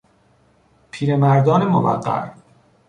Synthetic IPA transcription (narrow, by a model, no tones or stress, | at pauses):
pʰiːɾemæɾd̪ɒːnemovæ̰ɢːæ̰ɾ